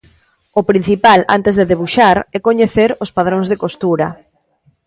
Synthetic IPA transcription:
ʊpɾin̟θipala̰nt̪ezðeðeβ̞uʃaɾɛkoɲeθeɾospað̞ɾoŋzðekost̪uɾɐ

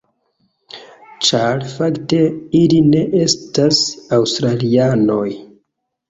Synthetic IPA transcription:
t͡ʃaɾfakte̞iline̞ʔe̞stasawstɾaliano̞j

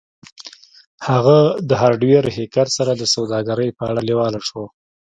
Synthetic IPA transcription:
haɣad̪əɦaɾɖweɾhekaɾsaɾad̪əsawd̪ɑɡaɾəjpəaɽalewɑlaʂwo

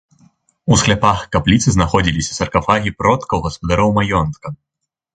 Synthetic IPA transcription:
usxlʲapaxkaplʲit̪sɨznaxɔd͡zʲilʲisʲɐsɐrkafaɣʲipɾɔt̪kɐwɣɐspɐd̪aɾɔwmajɔnt̪kɐ

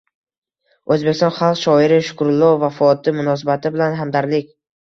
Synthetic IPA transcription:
ɵzbe̞kʲɪst̪ɒnχalˠqʃɒɪɾɪʃʊ̥kʰʊɾʊlˠːɒvafɒt̪ɪmʊnɒs̬abat̪ʰɪbɪlanɦamd̪aɾlɪkʲ

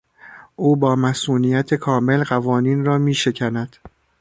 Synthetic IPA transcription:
ʔuːbɒːmæsuːnijæt̪ʰe̞kʰɒːme̞lɢævɒːniːnrɒːmiːʃe̞cʰænæd̪̥

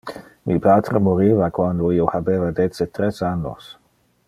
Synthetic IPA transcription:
mʔipaːt̪ɾemoɾiːvakwand̪oiːohabeːvad̪et͡sːet̪ɾesanːo̰s

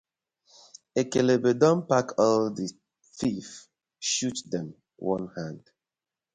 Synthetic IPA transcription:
ekelebedɔ̃mpakʰɔldi | fif | ʃutdɛ̃m | wɔ̃nhãnd

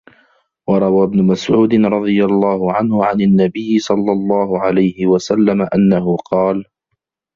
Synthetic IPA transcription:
wɑɾˤɑwaːbnʊmasʕuːd̪ɪnɾˤɑd̪ˤɨjalˤːɑːhʊʕanhʊʕananːabɪjːɪsˤɑlːɑlˤːɑːhʊʕalajhɪwasalːamaʔanːaɦʊqɑːl

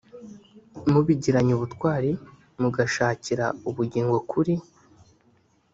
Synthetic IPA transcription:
muβiɟiɾaɲuβutkwaːɾi | muɡaʃaːciɾa̰uβuɟiːŋɡo̞kuɾi

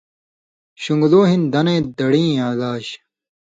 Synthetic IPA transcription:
ɕuŋɡloːɦind̪ɐnẽːd̪ɐɽĩːaːlaːɕ

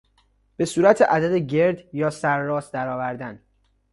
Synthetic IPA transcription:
b̥e̞suːɾæt̪ʰeʔæd̪æd̪eɟe̞ɾd̪jɒːsæɾːɒːsd̪æɾɒːvæɾd̪æn

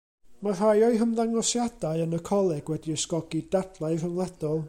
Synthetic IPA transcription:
mar̥ajɔɨɦəmðaŋɔsjad̥aɨənəkʰɔlˠɛɡ̥wɛdiəskɔɡidadlˠaɨrəŋlˠad̥ɔlˠ

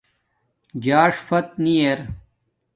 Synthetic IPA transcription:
d͡ʑaːʂfɐt̪̚nijeɾ

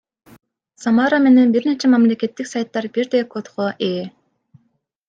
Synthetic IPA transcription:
samaɾame̞ne̞nbiɾnet͡ʃemɑmlʲe̞ke̞t̪ːiksajt̪ːɑɾbiɾd̪ekot̪χoʔe

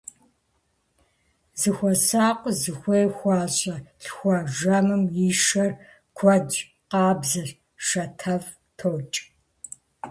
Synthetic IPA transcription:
zɨxʷɔsaːqʷʼzɨxʷeːxʷɑːɕʼɐɬxʷɑʒɐmɨmjiʃɐr | kʷʰɔd͡ʒ | qɑːbzɨɬ | ʂɐtʰɐv | tʰoːt͡ʃʼ

